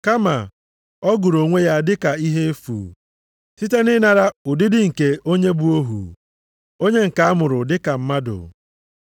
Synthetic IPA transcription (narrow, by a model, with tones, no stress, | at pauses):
ka˦ma˨ | ɔ˦ɡu˨ɾo˨ŋʷe˦ja˦dɪ˦ka˨i˦ɦe˦e˦fṵ˨ | ti˦te˦nɪ˦na˨ɾa˦ʊ˨dɪ˦dɪ˦ŋ̩˨ke˨o˦ɲe˦bu˦o˦ɦṵ˨ | o˦ɲe˦ŋ̩˨ka˨a˦mʊ˨ɾʊ˨dɪ˦ka˨m̩˦ma˦dʊ̰˨